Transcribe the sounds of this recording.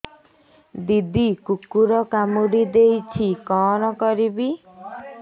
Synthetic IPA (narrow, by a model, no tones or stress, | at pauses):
d̪id̪ikukːuɾɔkamuɽid̪ejt͡ʃʰikɔnɔkɔɾibi